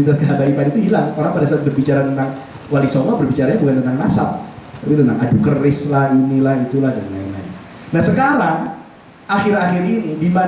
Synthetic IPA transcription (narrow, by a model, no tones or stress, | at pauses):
it̪askabanipanit̪uɦilaŋoɾaŋpadasaːt̪̚bərbit͡ʃaɾat̪ənt̪aŋ | walisomabərbit͡ʃaɾaɲabukant̪ənt̪aŋnasat̚t̪apit̪ənt̪aŋʔadukərɪslahinilahit̪ulahdanna̰ḭŋla̰ | nahsəkaɾaŋ | axɪɾaxɪɾinidima